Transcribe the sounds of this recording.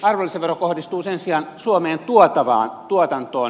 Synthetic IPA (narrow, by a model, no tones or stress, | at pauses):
ɑrʋolːiseʋerokohdist̪uːsensiɑnsuomeːnt̪uot̪ɑʋɑ̰ːnt̪uot̪ɑnt̪oːn